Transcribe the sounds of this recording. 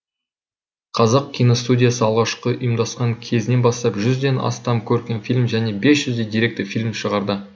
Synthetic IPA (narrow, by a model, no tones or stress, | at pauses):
qʰɑzɑqkʲʰijnost̪udʲijasəɑlˠʁɑʃqəʊjəmd̪ɑsqɑŋkʲʰe̞zɪne̞nbɑst̪ɑpʒʏzd̪e̞nɑ̰st̪ɑmkʲʰɵɾkʲe̞nfilʲmʒæne̞be̞sʒ̥ʏzd̪ejd̪iɾe̞k̚t̪ɪfilʲmʃəʁɑɾd̪ə